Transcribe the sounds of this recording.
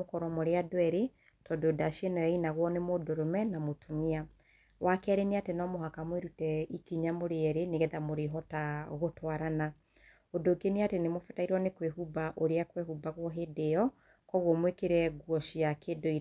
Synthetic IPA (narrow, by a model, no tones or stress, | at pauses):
okɔɾɔmoɾeadoɛɾe | tɔdodaʃienɔjainaɣwɔnemodoɾomɛnamotʰomia | wʔakɛɾeniatenɔmoɦakamweɾutɛikiɲamoɾeɛɾeneɣɛðamoɾeɦɔtaɣotwaɾana | odoɡeneatenemofɛ̥taiɾwɔnekweɦubaʔoɾeakwehubaɣwɔɦedeɔ | kɔɣwɔmwekeɾɛɡwɔʃiakʰedoiɾ